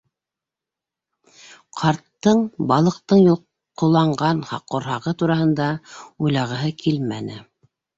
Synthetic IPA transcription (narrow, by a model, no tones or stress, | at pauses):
qʰɑɾt̪ːɤɴbɑlˠɤ̆q̚t̪ɤɴjulˠ | qŏlˠɑɴɢɑnhɑ̰qːŏɾɦɑʁɤt̪uɾɑɦɤ̆nd̪ɑujlɑʁɤ̆ɦɤkʰilmæ̰nɘ̰